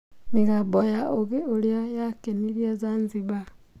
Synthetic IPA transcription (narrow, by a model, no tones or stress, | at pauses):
niɣaβojaʔoɣeoɾejojakeniɾiezanziβa